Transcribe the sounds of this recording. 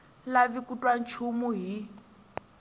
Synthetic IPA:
laβikutʼwan̩t͡ʃʰumuɦi

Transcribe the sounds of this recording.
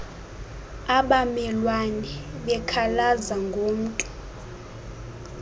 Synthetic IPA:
aɓamɛlwanɛɓɛkʰalazaŋɡʱoːm̩tʼu̥

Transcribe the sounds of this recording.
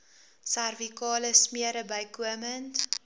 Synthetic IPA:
særvikɑːləsmiəɾəbəjkuəmənt

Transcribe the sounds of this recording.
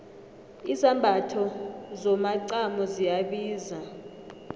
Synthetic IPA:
isambʱatʰɔzɔmaǀamɔzijaɓiːza

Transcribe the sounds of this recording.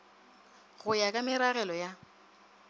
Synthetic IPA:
ɣʊjakʼamɪɾaɣɛlɔja

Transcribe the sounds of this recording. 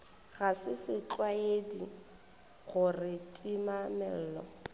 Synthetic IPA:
ɣasɪsɪt͡ɬʼwaedi | ɣʊrɪtʼimamɛl̩ːlɔ̰

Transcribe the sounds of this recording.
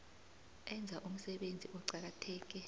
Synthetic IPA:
ɛnd͡zʱaʔum̩sɛɓend͡zʱiʔɔǀak̬atʰɛːk̬ɛ

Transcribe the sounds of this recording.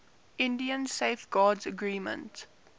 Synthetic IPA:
ʔɪ̃ndiə̃nseɪfɡ̥ɑːdzəɡɹiːmə̰̃nt

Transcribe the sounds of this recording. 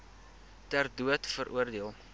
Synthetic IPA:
tærduətfəɾʔuərdiəlˠ

